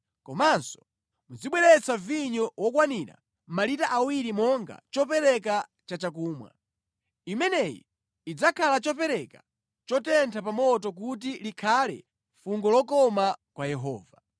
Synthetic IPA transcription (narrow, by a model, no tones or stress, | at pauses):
kɔmansɔ̥ | mud͡ziɓwɛɾɛt͡saviɲɔwɔkwaniɾa̰ | m̩malitaʔawiɾimɔŋɡa̰t͡ʃɔpɛɾɛk̬a | t͡ʃat͡ʃak̬uːmwa̰ | imɛnɛjḭ | id͡zakʰalat͡ʃɔpɛɾɛka | t͡ʃɔtɛntʰapamɔtɔk̬ut̬ilikʰalɛ̰ | fuŋɡɔlɔkɔmakwajɛɦɔ̰ːva